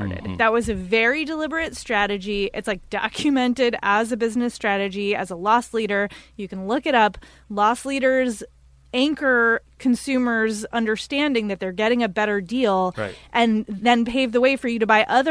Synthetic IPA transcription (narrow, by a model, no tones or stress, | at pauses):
ɾɨ̰d̪ðɨt̚wʌzɨvɛɹidəlɪbə˞ɨtstɹ̥æɾɨd͡ʒiʔɨtslaɪk̚d̥ɑ̰kʰjɨmɛ̃ntɪɾəzɨbɪznɨstɹ̥æɾɨd͡ʒiɨzəlɔsliɾə˞jɨkn̩lʊkɨɾʌp | lɔsliɾə˞z | æ̃ŋkə˞kʰɨ̃nsʉmə˞zʌ̃ndə˞stæ̃ndɪ̃ŋðɨt̪̚ðə˞ɡɛɾɪ̃ŋɨbɛɾə˞dilˠʔɨ̃nðɨ̃npʰeɪvðəweɪfə˞jɨɾɨbaɪʔʌð